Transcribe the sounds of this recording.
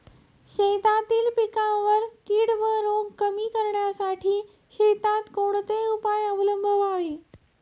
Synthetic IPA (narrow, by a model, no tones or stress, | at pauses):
ɕejt̪at̪iːlpikãʋəɾkiːɽʋəɾoɡkəmiːkəɾɳjasaʈʰiː | ɕet̪at̪koɽt̪eupajəbləmbʱəʋaʋe